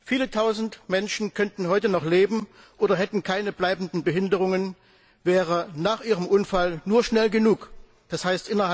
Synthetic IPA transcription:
fiːlətʰaʊzn̩tmɛnʃn̩kʰœntn̩ɦɔʏtənɔχleːbm̩ | ʔoːɾɐɦɛtn̩kʰaɪnəblaɪbn̩dn̩bəɦɪndəʁ̞ʊŋən | vɛːʁənaːχʔiːʁəmʔʊnfalnuːɐʃnɛlɡənuːk | d̥ashaɪstʔɪnɐha

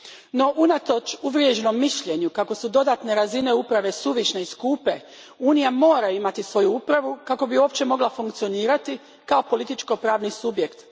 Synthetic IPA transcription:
no̞ʔunat̪o̞t͡ʃuʋɾjeʒno̞mːiʃʎe̞ɲukako̞sud̪o̞d̪at̪ne̞ɾazine̞upɾaʋe̞suʋiʃneiskuːpe̞ | uːnijamo̞ːɾajimat̪isʋo̞juupɾaʋukako̞bio̞ːpt͡ɕe̞mo̞ɡlafuŋkt̪sio̞niːɾat̪i | kao̞po̞lit̪it͡ʃko̞pɾaːʋnisubje̞kt̪

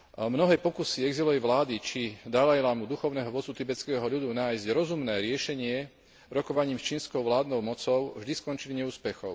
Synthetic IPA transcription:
mnɔɦɛːpɔkusiɛɡzilɔʋɛʋlaːd̪it͡ʃid̪alajlamud̪uxɔʊnɛːɦɔʋɔt͡sːut̪ibɛt͡skɛːɦɔʎud̪unaːjzɟɾɔzumnɛːɾɪɛʃɛɲɪɛ | ɾɔkɔʋaɲiːmst͡ʃiːnskɔʊʋlaːd̪nɔʊmɔt͡sɔʊvʒd̪iskɔnt͡ʃiliɲɛuːspɛxɔʊ

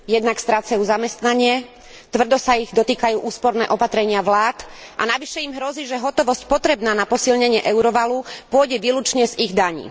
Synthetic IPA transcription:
jɛd̪nakst̪ɾaːt͡sajuːzamɛst̪naɲɪɛ | t̪ʋr̩d̪ɔsaiɣd̪ɔt̪iːkajuːʔuːspɔɾnɛ̰ːʔɔpat̪ɾɛɲɪaʋlaːt̪ʔa̰naʋiʃɛimɦɾɔziːʒɛɦɔt̪ɔʋɔscpɔt̪ɾɛbnaːnapɔsilɲɛɲɪɛʔɛʊɾɔʋalupʊɔɟɛʋiːlut͡ʃɲɛziɣd̪aɲḭː

